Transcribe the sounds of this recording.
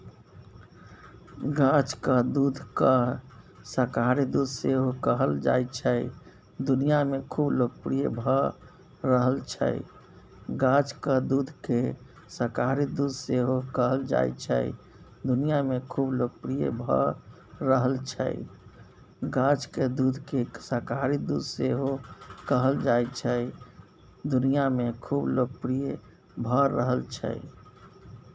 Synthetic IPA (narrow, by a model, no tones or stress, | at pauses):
ɡãt͡ʃkəd̪ud̪ʱkə | səɾkaɾid̪ud̪ʱseɦokəɦəld͡ʒa̰jt͡ʃʰəj | d̪unijamekʰubloɡ̚pɾijḛbʱə | ɾəɦəlt͡ʃʰə̰j | ɡãd͡ʒkəd̪ud̪ʱke | səɾkaɾid̪ud̪ʱseɦokəɦəld͡ʒa̰j̰t͡ʃʰə̰i | d̪unijamekʰubloɡ̚pɾijḛbʱə̰ | ɾəɦəlt͡ʃʰə̰j | ɡãd͡ʒked̪ud̪ʱkesəɾkaɾid̪ud̪ʱseɦokəɦəld͡ʒajt͡ʃʰəj | d̪unijamekʰubloɡ̚pɾije | bʱəːəɦəlt͡ʃʰə̰j